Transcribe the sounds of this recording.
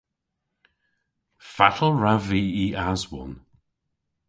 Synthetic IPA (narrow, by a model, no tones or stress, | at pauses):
fatʰəl̩ˠɹaviːiazwɔ̰n